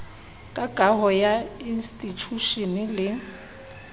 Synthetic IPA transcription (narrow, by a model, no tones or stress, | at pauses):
kʼaɡʼʱaɦɔjainstʼit͡ʃʰuʃɔnɪlɪ